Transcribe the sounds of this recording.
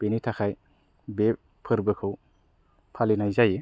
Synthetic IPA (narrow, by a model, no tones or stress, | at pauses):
b̥enitʰakʰaj | be | pʰɯɾbɯkʰɯw | pʰalinajzaje